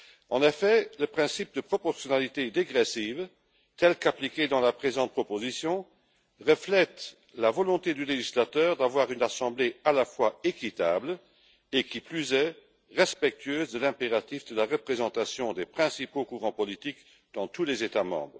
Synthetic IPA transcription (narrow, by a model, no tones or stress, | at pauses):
ɑ̃nefɛləpχɛ̃sip̚d̪əpχɔpɔʁsjɔnalit̪ed̪eɡʁɛsiv | t̪ɛlkapliked̪ɑ̃lapχezɑ̃t̪̚pχɔpozisjɔ̃ | ʁəflɛt̪ | lavɔlɔ̃t̪ed̪yleʒislat̪œːʁd̪avwaːʁynasɑ̃blealafwaekit̪abl | ekiplyzɛ | ʁɛspɛk̚t̪ʰyøːzd̪əlɛ̃peʁat̪ifd̪əlaʁəpχezɑ̃t̪asjɔ̃d̪epχɛ̃sipokuʁɑ̃pɔlit̪ik | d̪̥ɑ̃t̪ulezet̪amɑ̰̃bʁə